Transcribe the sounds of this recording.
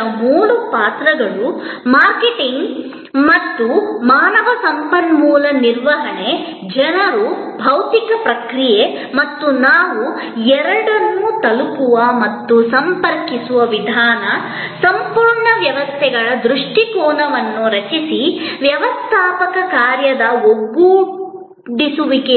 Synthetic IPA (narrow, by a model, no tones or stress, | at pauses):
ɐmuːɭupaːt̪ɾɐɡɐɭumaːɾkeʈiŋɡ | mɐt̪ːumaːnɐʋɐsɐmpɐnmuːlɐniɾʋɐɦɐɳe | d͡ʒɛnɐɾubʱɐwt̪ikɐpɾɐkɾije | mɐt̪ːunaːʋu | ɛɾɐɽɐnːut̪ɐlukuʋɐmɐt̪ːusɐmpɐɾkisuʋɐʋid̪ʱaːnɐ | sɐmpuːɾɳɐʋjɐʋɐst̪ʰɛɡɐɭɐd̪ɾuʂʈikɔːnɐʋɐnːuɾɐt͡ʃisiʋjɐʋɐst̪ʰaːpɐkɐkaːɾjɐd̪ɐoɡːu | ɖisuʋike